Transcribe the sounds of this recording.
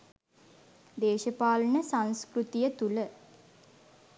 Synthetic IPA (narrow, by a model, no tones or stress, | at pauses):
d̪eːʃəpaːlənəsanskrut̪ijət̪ulə